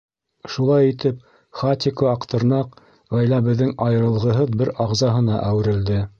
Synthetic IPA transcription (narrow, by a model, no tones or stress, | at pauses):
ʃulˠɑjit̪ɘp̚ | χat̪ʲɪkoɑqt̪ɤ̆ɾnɑq | ʁæjlæbɘ̆ðːɘŋɑjɤ̆ɾɤ̆lˠʁɤ̆ɦɤðbɘɾɑʁzɑɦɤ̆nɑʔæwɘ̆ɾɘ̆ld̪ɘ